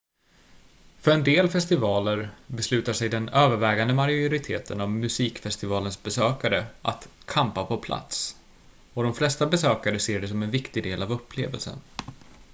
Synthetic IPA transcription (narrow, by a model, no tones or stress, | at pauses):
fœɾɛnd̪eːlfɛst̪ɪvɑːləɾbɛslʉ̟ːt̪aʂɛjd̪ɛnøːvəɾvɛːɡand̪əmaɾjʊɾɪt̪ʰeːt̪ʰə̰nɔvmɵsiːkfɛst̪ɪvɑːlənsbɛsøːkaɾəʔa̰t̪kʰampapʰɔpʰla̰t̪s | ɔd̪ɔmflɛst̪abɛsøːkaɾəseːɖɛs̬ɔmɛnvɪkt̪ɪɡd̪eːlavɵpʰːlḛːvə̰lsə̰n